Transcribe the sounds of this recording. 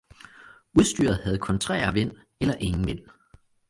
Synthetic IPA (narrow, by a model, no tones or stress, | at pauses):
uð̞ˠsd̥y̰ːɐð̩ˠhæð̞̩ˠkʰɒ̽nt͡sʰʁɛ̰ːɐʋen̰ | elɐʔe̝ŋn̩ʋen̰